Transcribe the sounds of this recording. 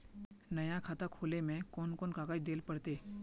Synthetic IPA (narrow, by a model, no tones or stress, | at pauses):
nɐjakʰaːt̪akʰoːlemẽkɔːnkɔːnkaːkaːd̪eːlpəɽt̪eː